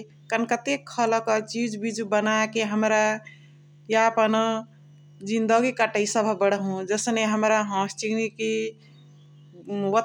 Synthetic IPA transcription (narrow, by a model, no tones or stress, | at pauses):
kənkət̪ekʰːəlkət͡ʃid͡ʒbid͡ʒubənakeɦəmɾa | japənə | d͡ʒind̪əɡikaʈəisəbʱabəɽɦũd͡ʒəsneɦəmɾaɦə̃sʈiɡniki | wət̪